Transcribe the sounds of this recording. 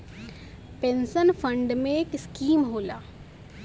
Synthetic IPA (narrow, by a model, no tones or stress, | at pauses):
pẽːnsənfʰə̃ɳɖmẽeːkɪskiːmɦoːlaː